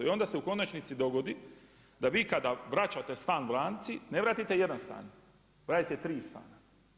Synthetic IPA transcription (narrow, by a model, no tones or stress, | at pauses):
io̞nd̪aseuko̞nat͡ʃnit̪sid̪o̞ɡo̞d̪i | d̪aʋiːkad̪aʋɾat͡ʃat̪e̞st̪aːnʋɾaːnt̪sine̞ʋɾat̪it̪e̞je̞d̪anst̪a̰ːn | ʋɾaːt̪it̪et̪ɾiːst̪a̰ːna